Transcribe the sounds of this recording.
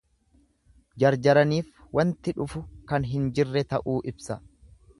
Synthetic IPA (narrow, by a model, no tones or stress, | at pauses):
d͡ʒɐɾd͡ʒɐɾɐniːfwɐnt̪ɪᶑʊfʊkɐnɦɪnd͡ʒɪrːɛt̪ɐʔuːʔɪbsɐ